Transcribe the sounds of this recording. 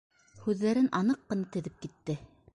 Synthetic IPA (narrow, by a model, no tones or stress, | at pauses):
hʉðːæɾɘnʔɑnɤqːɤ̆nɑt̪ɘ̆ðɘp̚kit̪ːɘ